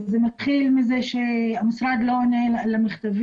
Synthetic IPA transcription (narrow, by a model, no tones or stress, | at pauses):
zemat̪χilmizeʃeamisɾad̪lonelamiχt̪av